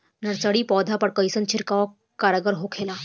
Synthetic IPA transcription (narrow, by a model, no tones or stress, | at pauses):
nəɽt͡saɽiːpɔd̪ʱapəɽkəjsənt͡ɕʰiɾkaʋa | kaɾəɡəɾɦokʰela